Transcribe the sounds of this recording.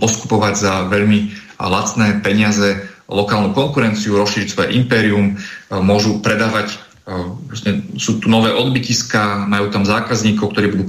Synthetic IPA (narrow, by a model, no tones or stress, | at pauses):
pɔsku̥pɔʋaɟzaʋɛʎmi | lat͡snɛːpɛɲɪazɛlɔkaːlnukɔŋkuɾɛnt͡siuɾɔsʃiːɾicsʋɔjɛ̰ʔimpɛːɾiummʊɔʒupɾɛd̪aːʋac | ɔsɲɛsuːt̪uːnɔʋɛːʔɔd̪biciskamajuːt̪amzaːkazɲiːkɔʊkt̪ɔɾiːbud̪uː